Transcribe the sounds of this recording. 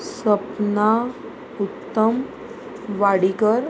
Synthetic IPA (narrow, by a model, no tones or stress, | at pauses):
səpna | ut̪ːəm | ʋaɽikəɾ